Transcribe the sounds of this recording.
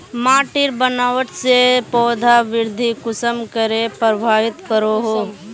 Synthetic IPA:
maːʈɪɾbənaːʋəʈsepɔːd̪ʱaʋɪɾd̪ʱikʊsəmkəɾepɾəbʱaːʋɪt̪kəɾoɦoː

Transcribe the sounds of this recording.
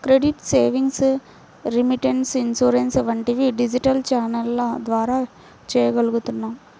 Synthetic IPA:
kɾeɖiʈseːʋiŋɡs | ɾimiʈeɳsinsuːɾensʋɐɳʈiʋiɖid͡ʒiʈɐlt͡ʃaːnɐlɐd̪ʋaːɾaː | t͡ʃeːjɐɡɐɭuɣut̪unːaːm

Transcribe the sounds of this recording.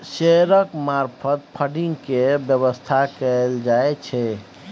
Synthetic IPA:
seɾəkmaɾpʰət̪̚pʰəɖĩŋɡkebjəbəst̪ʰakɛld͡ʒaet͡ʃʰɛ

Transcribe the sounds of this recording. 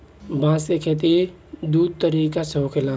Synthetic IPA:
bãːsekʰeːt̪̬e | d̪uːd̪̚t̪əɾiːkasɐokʰɪlaː

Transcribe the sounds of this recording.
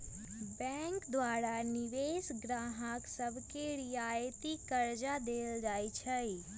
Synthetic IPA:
bɛ̃ŋkd̪waːɾaniʋesɡɾaːɦaksəbʱkeɾiajt̪ikəɾd͡ʒad̪eːld͡ʒaːjt͡ʃʰəj

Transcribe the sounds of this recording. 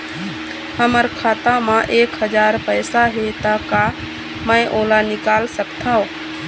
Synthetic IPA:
həməɾkʰaːt̪ãmãʔeːkɦəd͡ʒaːɾpəjsaɦet̪əka | mə̃ɪ̃ʔoːlanɪkaːlsəkt̪ʰaõ

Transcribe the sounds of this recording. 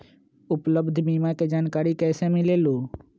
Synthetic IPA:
ʊpləbd̪ʱbiːmaked͡ʒaːnkaːɾikɛːsemɪleːloː

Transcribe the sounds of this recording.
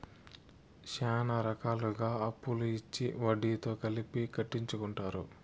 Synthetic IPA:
ʃaːnɐɾɐkaːluɡaːɐpːuluit͡ʃːḭʋɐɖiːt̪o̞ːkɐlipikɐʈːiɲt͡ʃukuɳʈaːɾu

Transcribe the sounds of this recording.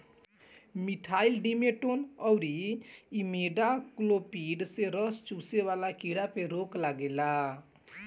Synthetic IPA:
miʈʰaːilɖimeʈonɔwɾiimeɖaklopiɖseɾɔst͡ʃuseʋalakiɽapeɾoklaɡela

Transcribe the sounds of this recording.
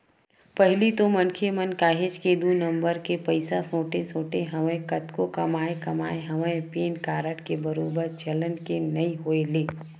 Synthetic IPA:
pɐɦɪlit̪omɐnkʰemənkaːɦed͡ʒked̪uːnə̃mbəɾkepɐɪsasõːʈesõːʈeɦɐʋẽkɐt̪kokɐmaːekɐmaːeɦɐʋẽpeːnkaːɾəʈkebɐɾoːbəɾt͡ʃɐlənkenɐĩɦoːeleː

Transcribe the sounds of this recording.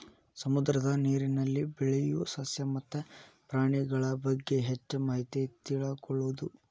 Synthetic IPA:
sɐmud̪ɾɐd̪ɐniːɾinɐlːibɛɭejusɐsjɐmɐt̪ːepɾaːɳiɡɐɭɐbɐɡːe̞ɦet͡ʃːɐmɐɦit̪it̪iɭɐkɔɭːud̪u

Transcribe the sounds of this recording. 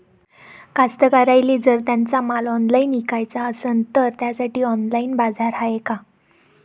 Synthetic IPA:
kast̪əkaɾajliːd͡zəɾt̪̬jant͡samalɔnlainikajt͡saəsənt̪əɾt̪jasaʈiːɔnlainbad͡zʱaɾɦajeka

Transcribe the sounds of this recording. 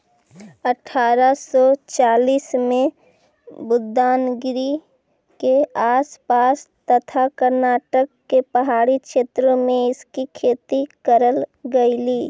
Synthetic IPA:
əʈʰaːɾasɔt͡ʃaːliːsmẽ | bʊd̪ːaːnɡɪɾi | keaːspaːst̪ət̪ʰakəɾnaːʈəkːepəɦaːɽikʃeːt̪ɾəmẽɪskikʰeːt̪ikəɾəlɡəiliː

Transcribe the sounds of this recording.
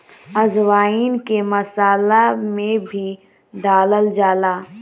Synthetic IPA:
ɐzʋaːiːnkemɐsaːlamẽbʱi | ɖaːləld͡ʒaːlaː

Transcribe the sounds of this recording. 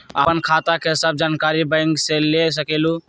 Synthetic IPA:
ə̰pənkʰat̪akeɦɪsəb̚d͡ʒankaɾibãɪ̃ŋɡseles̬əkelu

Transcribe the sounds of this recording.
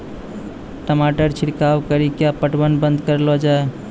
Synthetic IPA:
ʈəmaʈəɾt͡ʃʰiɽkawkəɾikjapəʈbənbə̃nd̪kəɾlɔd͡ʒae

